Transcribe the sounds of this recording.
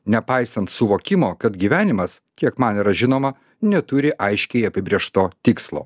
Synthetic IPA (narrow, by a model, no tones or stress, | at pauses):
nʲɛpɐɪsɐnt̪sʊʋoːkʲɪmoːkɐt̪ɡʲiːʋʲæːnʲɪmɐs | kʲiɛkmɐniːɾɐʒʲɪnoːmɐ | nʲɛt̪ʊɾʲɪʔɐɪʃʲkʲɛɪɐpʲɪbʲɾʲeɛʃt̪oːt̪ʲɪkslˠo̰ː